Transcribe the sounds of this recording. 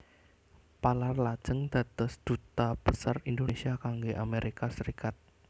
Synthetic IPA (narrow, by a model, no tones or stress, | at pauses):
palarlad̥d͡ʒ̥əŋd̪̥a̤t̪ɔsd̪̥ut̪ab̥əsarindonesiakaŋɡeʔameɾikasəɾikat̪̚